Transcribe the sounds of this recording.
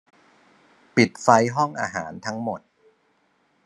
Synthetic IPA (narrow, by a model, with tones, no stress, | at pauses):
pi˨˩t̪̚fa˧jɦɔ˥˩ŋʔaː˧ɦaː˩˦nt̪ʰa˦˥ŋmo˨˩t̪̚